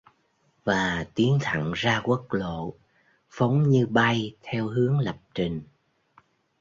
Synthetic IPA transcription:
vaː˨˩t̪i˨˦ənt̪ʰə̰˧˨ŋzaː˧kwə˦˥k̚lo̰˧˨ | fə˨˦wŋ͡mɲɨ˧ɓa˧jt̪ʰɛ˧wɦɨ˨˦əŋlə˨˩p̚t͡ɕi˨˩ŋ

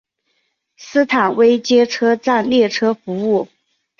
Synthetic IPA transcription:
sɹ̩˥t̪ʰa˨˩nwe˥ɪt͡ɕjɛ˥ʈ͡ʂʰɤ˥ʈ͡ʂa˥˧nljɛ˥˩ʈ͡ʂʰɤ˥fu˧˥u˥˩

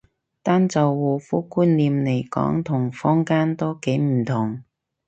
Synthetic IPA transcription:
t̪aː˥nt͡sɐ˨wːuː˨fuː˥kuː˥nliː˨˧mle˨˩jkɔ̰ː˨˥ŋt̪ʰʊ˨˩ŋfɔː˥ŋkaː˥nt̪o˥wke˨˥jm̩˨˩t̪ʰʊ˨˩ŋ

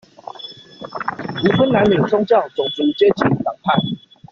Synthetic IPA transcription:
u˨˦pʰə˦nna˨˦nli˨˩ŋsʰɔ˥ŋt͡ɕjɑ˥˨ʊt͡sɔ˨˩ŋt͡su˨˦t͡ɕje˦t͡ɕʰi˨˩ŋla˨˩ŋpʰa˥˨n

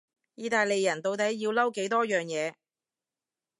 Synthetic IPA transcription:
jiː˧t̪aː˨˧jle˨jːɐ˨˩nt̪o˨wt̪ɐ˨˥jjiː˧wlɐ˥wke˨˥jt̪ɔː˥jœː˨ŋjɛː˨˧

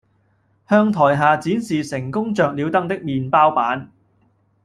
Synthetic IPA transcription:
hœː˧ŋt̪ʰɔː˨˩jɦaː˨t͡siː˨˥nsiː˨sɪ˨˩ŋkʊ˥ŋt͡ʃœː˨k̚liː˨˧wt̪ɐ˥ŋt̪ɪ˥k̚miː˨npaː˥wpaː˨˥n

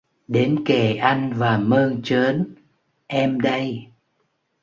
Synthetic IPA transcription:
ɗe˨˦nke˧˩ʔa˧jŋ̟vaː˨˩məː˧nt͡ɕəː˨˦n | ʔɛ˧mɗə˧j

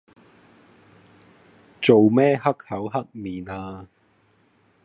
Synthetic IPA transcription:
t͡so˨wmɛː˥ɦɐ˥k̚hɐ˨˥wɦɐ˥k̚miː˨naː˧

